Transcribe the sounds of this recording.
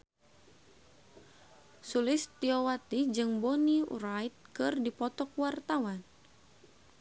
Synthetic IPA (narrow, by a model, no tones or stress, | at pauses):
sulɪst̪iɔwat̪id͡ʒɨŋboniṵɾajt̪̚kɨrdipɔt̪ɔkwart̪awan